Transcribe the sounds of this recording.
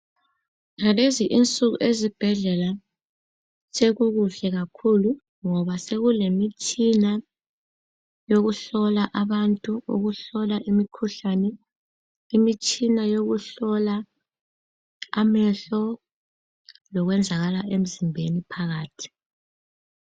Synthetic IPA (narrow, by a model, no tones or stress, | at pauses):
ŋaleziʔint͡sʼuɣṵʔezib̥ʱɛɮɛla | seɣuɣuɬɛɣakʰulu | ŋɔβaseɣulemit͡ʃʼina | joɣuɬɔlaʔaβantʼuṵɣuɬɔlaʔimikʰuɬanɛ | imit͡ʃʼinajoɣuɬɔla | amɛɬɔ | lɔɣwɛnd͡zʱaɣalaʔem̩zimbʱenipʰaɣaːtʰi̥